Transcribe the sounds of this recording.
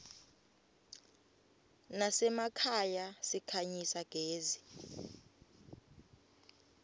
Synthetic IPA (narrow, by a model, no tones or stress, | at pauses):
nasɛmakʰajasikʰaɲisaɡ̥ʱeːzi